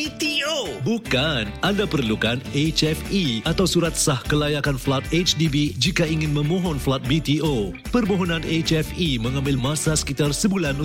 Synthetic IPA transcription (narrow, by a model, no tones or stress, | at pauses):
it̪iobukanʔandapərlukanet͡ʃɛfiat̪awsuɾat̪̚sahkəlajakanflat̪̚et͡ʃdibid͡ʒikaiŋɪ̃nmə̃mɔ̃ɦɔnflat̪̚bit̪iʔo | pərmoɦɔnãnet͡ʃɛfimə̃ŋãmbɪlmãsasə̥kit̪arsəbulanu